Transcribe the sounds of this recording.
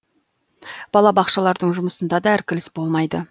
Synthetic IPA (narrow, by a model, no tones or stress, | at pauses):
b̥ɑlˠɑbɑqʃɑlˠɑɾd̪əɴʒʊməsənd̪ɑd̪ɑæɾkʲʰɪlɪsbo̞lˠmɑjd̪ə